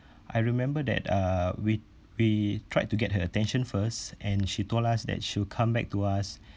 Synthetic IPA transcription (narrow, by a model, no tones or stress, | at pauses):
ʔa̰jɹimɛ̃mbədɛ̰tawi | witʰɹa̰ɪjd̚tːuɡɛt̚ɦəətɛ̃nʃə̃nfəsʔɛ̃nʃitolasdɛ̰t̚ʃikʰãmbɛ̰k̚tuas